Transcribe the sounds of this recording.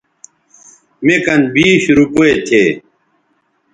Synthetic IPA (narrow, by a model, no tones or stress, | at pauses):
mekɐnbiːɕɾupoet̪ʰeː